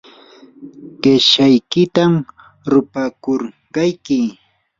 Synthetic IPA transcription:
ɢɪʃajkɪt̪am | ɾʊpakoɾ | ɢɑjkɪ

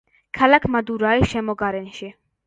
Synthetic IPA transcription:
kʰalakʰmad̪uɾaiʃɛmɔɡaɾɛnʃi

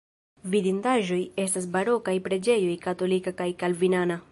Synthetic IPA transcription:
vidindaʒo̞je̞stas̬baɾo̞kajpɾe̞d͡ʒe̞jo̞jkato̞likakajkalvinana

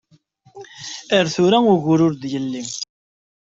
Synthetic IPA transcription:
əɾθʊɾæʊʝʊɾʊɾd̪jəlːim

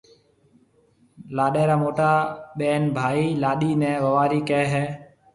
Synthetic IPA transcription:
laːɗeːɾaːmoːʈaːɓeːnbʱaːiːlaːɗiːnɛ̃ːʋəʋaːɾiːkɛːɦɛː

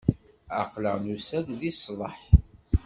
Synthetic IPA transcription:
a̰qləʁnusæɡðislˤə̰ħ

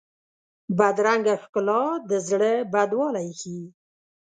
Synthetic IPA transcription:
bad̪ɾaŋɡaxkʊlɑd̪əzɽəbad̪wɑlajxi

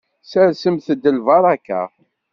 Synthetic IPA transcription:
səɾsəmθəd̪ːəlvɑɾˤɑkːa̰

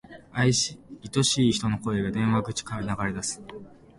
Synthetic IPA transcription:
aiɕiit̪o̞ɕiːçi̥t̪o̞no̞ko̞eɡad̪ẽ̞ɰ̃βaɡɯ̟t͡ɕi̥kaɯnaɡaɾe̞d̪asɨ̥

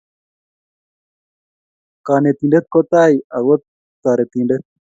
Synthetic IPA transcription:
kaːnet̪iːɳɖet̪̚kot̪aːiɐwot̪̚ː | aːɾet̪iːɳɖet̪̚

